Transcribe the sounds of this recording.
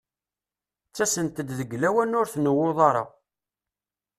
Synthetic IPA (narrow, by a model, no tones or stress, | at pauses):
t͡sːæsənt̪əd̪ðəɡːlæwænʊɾθnəwːoðˤɑɾˤɑ̰